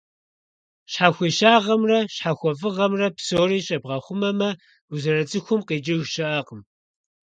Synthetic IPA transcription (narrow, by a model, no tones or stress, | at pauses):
ɕħaxʷiːʃaːʁɐmrɐɕħaːxʷɔfɨʁɐmrɐpsoːɾiːɕʼɐbʁɐχʷʊmɐmɐ | uzɐɾɐt͡sʼɨxʷʊmqeːd͡ʒɪɣʃɐʔaqəm